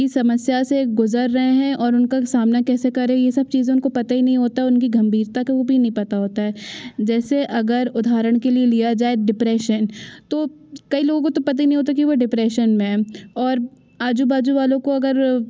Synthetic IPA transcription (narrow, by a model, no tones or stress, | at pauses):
isɐməsjaseɡʊzəɾːɐɦẽɦɛ̃ʔɔːɾʊnkasaːmnakɛːsekɐɾẽjesɐb̚t͡ʃiːzẽʊnkopɐt̪ainɐɦĩɦoːt̪aɦɛʊnkiɡɐ̃mbʱiːɾt̪akeobʱinɐɦĩpɐt̪aɦoːt̪aɦɛːd͡ʒɛːseʔɐɡəɾʊd̪ʱaːɾəɽ̃kelielijad͡ʒaːeɖɪpɾɛːʃənt̪okɐiloːɡõkot̪opɐt̪ainɐɦĩɦoːt̪akiʋoɖɪpɾɛːʃənmẽɔːɾ | aːd͡ʒubaːd͡ʒuʋaːlõkoɐɡəɾ